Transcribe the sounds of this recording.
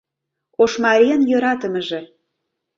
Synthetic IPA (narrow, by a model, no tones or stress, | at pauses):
oʃmɑɾʲijənjøɾɑt̪əmə̆ʒĕ